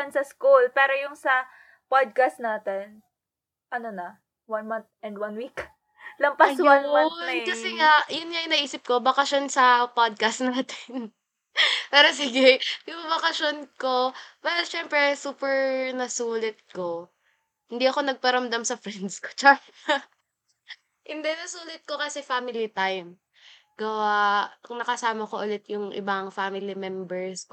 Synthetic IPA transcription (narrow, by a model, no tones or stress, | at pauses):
ɐnsɐskulpɛːɾojʊŋsɐ | pad̪̚kast̪naːt̪ɛn | ʔɐnonɐ | wɐnmɐnt̪̚ɛnd̪wɐnwik | lɐmpɐwanmankɐsɛŋajʊnɲajʊnɐʔiːsɪp̚ko̞bɐkɐʃonsɐpod̪̚kɐst̪naːt̪ɪn | pɛːɾosɪɡɛjʊŋbɐkɐʃjonko̞pɛːɾoʃɛmpɾɛsuːpɛɹnɐsuːlɪt̪̚ko | hɪnd̪iɐko̞nɐɡ̚pɐɾɐmd̪ɐmsɐfɾɛnd̪sko̥t͡ʃa | hɪnd̪ɛnɐsuːlɪt̪̚ko̞kɐsɛfaːmɪlit̪ajm | ɡɐwanɐkɐsaːmɐkoʔʊlɛt̪̚jʊŋʔɪ̰baŋfamɪlimɛmbɛɹsk